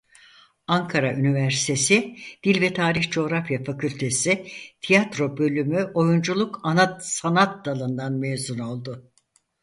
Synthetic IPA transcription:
aŋkʰaɾaʔynivæɾsi̥t̪ʰe̞sɪd̪̥ilʲvɛt̪ʰaːɾiçd͡ʒo̞ːɾafjafacʰylʲt̪ʰe̞sɪt̪ʰijat̪ɾo̞bø̞lʲymyʔo̞jund͡ʒulˠukʰanat̪sanat̪̚d̪alˠɯnd̪anmevzuno̞lˠd̪ʊ

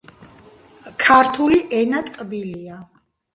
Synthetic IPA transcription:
kʰaɾt̪ʰuliʔɛnat̪ʼkʼbilia

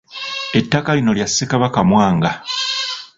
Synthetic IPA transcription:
e̞tːakalino̞ljasːekaβakamwaːŋɡa

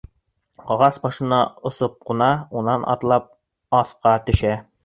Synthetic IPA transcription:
qɒʁɑsbɒʃɤ̆nɑŏsop̚qŭnɑunːɑnʔɒ̰t̪lˠɑp̚ | ɒθqɑt̪ɵ̆ʃæ

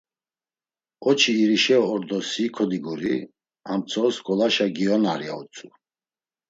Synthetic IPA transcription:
ɔt͡ʃʰiːɾiʃɛɔːɾd̪ɔsikʰɔd̪iɡuɾi | amt͡sʰɔːskʼɔlaʃaɡiɔnaɾia̰ṵt͡sʰʼu

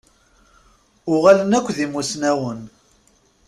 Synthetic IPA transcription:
ʊʁalənækʷːðimusnæwən

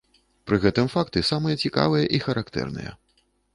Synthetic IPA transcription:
pɾɨɣɛt̪ɨmfakt̪ɨsamɨjɐt͡sʲika̰vɨjɐʔixɐɾʔakt̪ɛ̰rnɨ̰jɛ̰

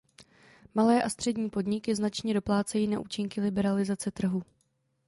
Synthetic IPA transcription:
malɛːʔast̪r̥ɛdɲiːpo̞dɲɪkɪznat͡ʃɲɛdo̞plaːt͡sɛjiːnaʔuːt͡ʃɪŋkɪlɪbɛɾalɪzat͡sɛt̪r̩ɦu

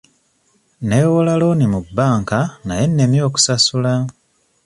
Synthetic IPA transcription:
neːwolalo̞ːnimubːaːŋkanaje̞nːemjo̞ːku̥sasula

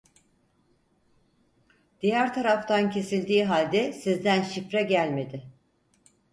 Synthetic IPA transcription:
d̪̥ijæɾt̪ʰaɾaft̪ʰancʰe̞silʲd̪iːɦalʲd̪ɛsizd̪ænʃifɾɛɟælʲme̞d̪ɪ

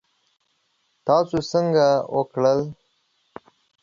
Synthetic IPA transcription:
t̪ɑsosəŋɡawəkɽəl

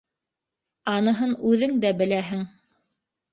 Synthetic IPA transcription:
ɑnɤ̆ɦɤnʉðɘŋd̪æbɘ̆læɦɘŋ

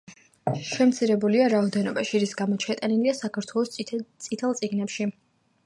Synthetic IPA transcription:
ʃɛmt̪sʰiɾɛbuliaɾaɔd̪ɛnɔbaʃiɾisɡamɔt͡ʃʰɛt̪ʼaniliasakʰaɾt̪ʰwɛlˠɔst̪sʼit̪ʰɛlˠt̪sʼiɡnɛpʃi

